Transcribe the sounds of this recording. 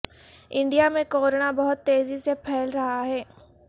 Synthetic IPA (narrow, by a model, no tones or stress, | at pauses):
ɪ̃ɳɖijamẽkoːɾnabɐɦʊt̪ːeːzisepʰɛːlɾɐɦaɦɛː